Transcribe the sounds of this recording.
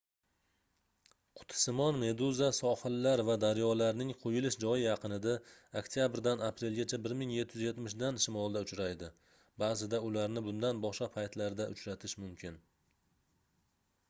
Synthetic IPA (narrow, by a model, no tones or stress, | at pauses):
qʰʊ̥t̪ʰɪ̥sɪmɒnme̞d̪uzasɒhɨlːaɾvad̪aɾjɒlaɾnɪŋqʰojɪlɪʃd͡ʒɒjɪjɑqʰɨnɪd̪aokt̪ʰijabɾd̪anapɾe̞lˠɡʲat͡ʃʰabɪɾmɪŋjet̪ʰːɪjɪzje̞t̪mɪʃ̬d̪anʃɪmɒlˠd̪aʊt͡ʃɾajd̪ɪ | baːzɪd̪aʊlaɾnɪbʊnd̪anbɒʃqɑpʰajt̪laɾd̪aʔʊt͡ʃɾat̪ʰɪʃmʊmkʲʰɪn